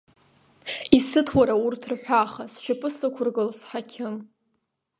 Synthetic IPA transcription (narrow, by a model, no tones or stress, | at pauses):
isɨtʰwaɾaurtʰrħᶣʷaχasʃapʰʼɨsakʷʰʊrɡɨlsħakʲʰɪn